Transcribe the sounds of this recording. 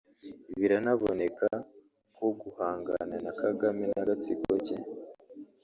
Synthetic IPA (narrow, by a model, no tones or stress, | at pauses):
iβiɾanaβone̞ka | koɡuhaːŋɡa̰nanakʰaɡamenaɡat͡siɡoɟe